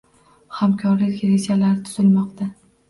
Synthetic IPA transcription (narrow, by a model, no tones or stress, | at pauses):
hamkʰɒɾlɪkʲɾed͡ʒalaɾɪt̪ʰʊ̥zɪlmɒqt̪a